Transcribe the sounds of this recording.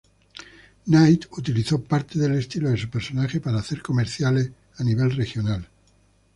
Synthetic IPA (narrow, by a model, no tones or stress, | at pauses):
najt̪ut̪iliθo̞paɾt̪e̞ðe̞le̞st̪iloðes̬upe̞ɾso̞naxepaɾaːθe̞ɾko̞meɾθjale | aniβ̞e̞lrexjo̞nal